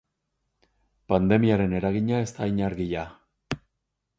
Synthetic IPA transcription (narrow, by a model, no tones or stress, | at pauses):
pand̪e̞miaɾe̞ne̞ɾaɣiɲae̞st̪aiɲaɾɣiʎa